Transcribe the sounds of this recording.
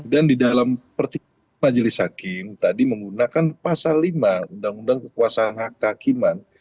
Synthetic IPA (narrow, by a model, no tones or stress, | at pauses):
dandidalampərt̪i | mad͡ʒəlɪshakɪmt̪adiməŋɡunakanpasalːimaundaŋundaŋkəkuasaːnhakəɦakiman